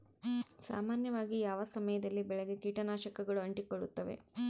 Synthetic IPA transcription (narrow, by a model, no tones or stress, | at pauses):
sa̰ːmaːnjɐʋaːɡijaːʋɐsɐmɐjɐd̪ɐlːibɛɭɛɡekiːʈɐnaːʃɐkɐɡɐɭuɐɳʈikoɭːut̪ːɐʋe̞̰